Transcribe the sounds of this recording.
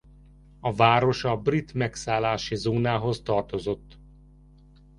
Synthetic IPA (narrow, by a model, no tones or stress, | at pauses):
ɒvaːɾo̞ʃɒbrit̪mɛksaːlːaːʃizoːnaːɦo̞zt̪ɒrt̪o̞zo̞t̪ː